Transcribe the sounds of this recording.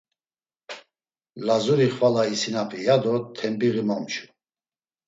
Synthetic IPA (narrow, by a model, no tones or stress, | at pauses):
lazuɾiχvalaisinapʰijad̪ɔt̪ʰɛmbiɣimɔmt͡ʃʰu̥